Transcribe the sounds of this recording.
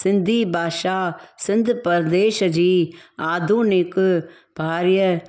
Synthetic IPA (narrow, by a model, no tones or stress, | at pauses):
sɪnd̪ʱiːbʱaːʃaːsɪnd̪ʱpəɾd̪eːʃd͡ʒiːaːd̪ʱunɪk | b̥ʱaːɾjə